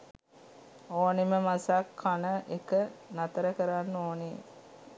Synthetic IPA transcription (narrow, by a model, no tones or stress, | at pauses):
oːniməmasakʰːanəʔekənat̪əɾəkəɾanːoːni